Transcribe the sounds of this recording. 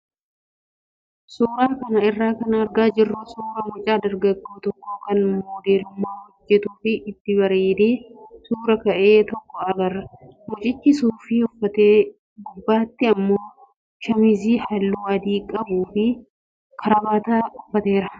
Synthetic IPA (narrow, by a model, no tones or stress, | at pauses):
suːɾaːkɐnɐɪrːaːkɐnɐɾɡaːd͡ʒɪrːʊsuːɾɐmʊt͡ʃʼaːd̪ɐɾɡɐɡːoːt̪ɔkːoːkɐnmoːd̪eːlʊmːaːhɔd͡ʒːɛt̪uːfɪɪt̪ːɪβɐɾeːd̪eːsuːɾɐkɐʔe̞ːt̪ɔkːɔɐɡɐrɐmɔt͡ʃʼɪt͡ʃːɪsuːfɪʊfːɐt̪eː | ɡʊbːaːt̪ːɪɐmːo̞ː | ʃɐmɪziːhɐlːuːɐd̪iːkʼɐbuːfɪ | kʰɐɾɐbaːt̪aːʊfːɐt̪e̞ːɾɐ